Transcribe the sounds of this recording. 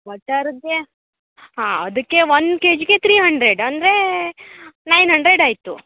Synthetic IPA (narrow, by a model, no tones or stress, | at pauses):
ʋɐʈːaːɾud̪e | ɦaːɐd̪ɐkːe̞ʋɐnd̪keːd͡ʒɡet̪ʰɾiːɦɐɳɖɾeɖɐnd̪ɾe̞ | nɐjnɦɐɳɖɾeɖaːjt̪u